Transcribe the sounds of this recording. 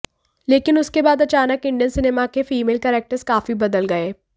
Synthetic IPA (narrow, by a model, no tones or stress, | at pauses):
leːkɪnʊskebaːd̪ɐt͡ʃaːnəkɪ̃ɳɖijənsɪneːmakefiːmeːlkɛɾɛːk̚ʈəɾskaːfibɐd̪əlɡɐeː